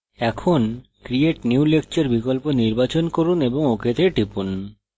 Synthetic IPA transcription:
ɛkʰonkɾieʈnuulek̚t͡ɕeɾbikolponiɾbat͡ɕonkoɾuneboŋokʰet̪ʰeʈipun

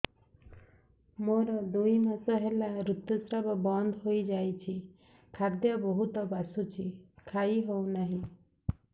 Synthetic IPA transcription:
moɾɔd̪ujmasɔɦelaɾut̪jɔsɾɔbɔbɔnd̪ʱɦojd͡ʒajt͡ʃʰi | kʰad̪jʌbɔɦut̪ɔbasut͡ʃʰikʰajɦownaɦĩ

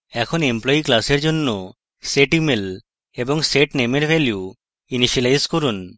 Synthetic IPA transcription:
ɛkʰonemplɔiklaseɾd͡ʒonːo | seʈimel | eboŋseʈnemeɾbɛlju | iniʃelajskoɾun

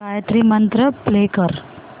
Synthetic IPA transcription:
ajət̪ɾimɐnt̪ɾəplekəɾ

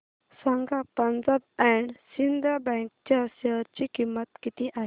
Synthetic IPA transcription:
sãŋɡapə̃nd͡zabɛɳɖsind̪ɾabɛ̃ŋk̚t͡ɕasəɾt͡ɕikimːət̪kit̪iʔaɦ

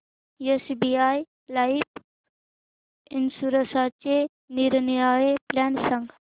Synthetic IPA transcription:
jesbiaːj | laip | ɪnsuɾəsat͡ʃe | niɾnjaːjeplɛːnsəŋɡ

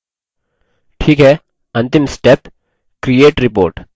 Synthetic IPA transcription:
ʈʰiːkɦɛː | ɐ̃nt̪ɪmsʈep | kɾijeːʈɾɪpo̰ːɾʈ

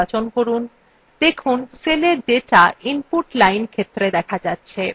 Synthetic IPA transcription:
at͡ɕonkoɾun | d̪ekʰunseleɾɖeʈaimpuɾʈlajnkʰet̪ːɾed̪ɛkʰad͡ʑatːɕʰe

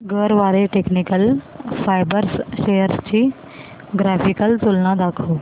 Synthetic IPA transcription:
ɡəɾʋaːɾeʈeːknikəlfaːɪbəɾsʃejəɾst͡ɕʰiː | ɡɾaːfʰɪkəlt̪ʊlnãd̪aːkʰoː

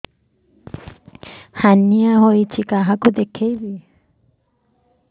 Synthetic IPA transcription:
hanːiaɦojt͡ʃʰikaɦakud̪ekʰejbi

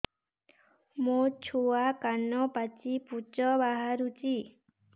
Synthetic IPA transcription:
mut͡ʃʰuakanɔpat͡ʃiput͡ʃɔbaɦaɾut͡ʃi

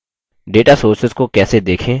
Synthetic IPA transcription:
ɖeːʈasoːɾsɪzkokɛːsed̪eːkʰẽː

